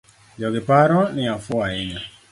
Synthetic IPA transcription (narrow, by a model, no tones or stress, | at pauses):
d͡ʒɔɡɪpaɾɔnɪafʊaɪɲa